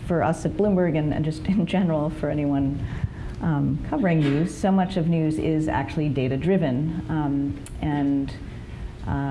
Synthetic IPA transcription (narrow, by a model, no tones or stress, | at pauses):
fə˞ʔʌ̰sɨt̚b̥lɪ̃mbə˞ɡɨ̃nɨ̰̃nd͡ʒʌstɨ̃nd͡ʒɛnə˞l̩ˠfə˞ɛɾ̃iwʌ̃n | kʰʌvə˞ɪ̃ŋnʉz̥soʊmʌt͡ʃʌvnjʉzɪzæ̰k̚t͡ʃʉl̩ˠideɪɾɨdɹɪvɨ̃n | ɨ̃n